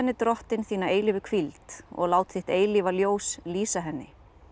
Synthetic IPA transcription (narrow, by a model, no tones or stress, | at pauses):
ɛnːɪt̪ɾɔht̪ɪnθiːnaeːjlɪvʏkʰvilt̪ɔ̰ɣlaːwt̪θɪht̪eːjlivaljoːwsliːsaɦɛnːɪ